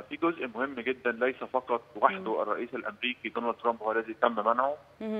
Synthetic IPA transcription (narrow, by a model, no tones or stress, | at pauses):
fiːɡozʔmohemːɡed̪ːænlæjsæfɑqɑt̪̚ˤwaħd̪oʔæ̰rˤːɑ̰ʔiːsælʔæmɾiːkid̪onæld̪t̪ɾˤɑmbhowælæːzijt̪æmːæmænʕo